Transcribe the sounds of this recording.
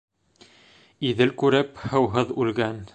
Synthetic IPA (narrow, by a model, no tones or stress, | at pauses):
iðɘlkʉɾɘphɤ̆wɦɤðʉlɡæn